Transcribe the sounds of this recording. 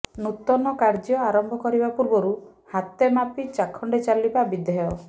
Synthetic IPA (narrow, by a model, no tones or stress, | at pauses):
nut̪ɔnɔkaɾd͡ʒjɔaɾɔmbʱɔkɔɾibapuɾbɔɾu | hat̪emapit͡ʃakʰɔɳɖet͡ʃalibabid̪ʱɔjɔ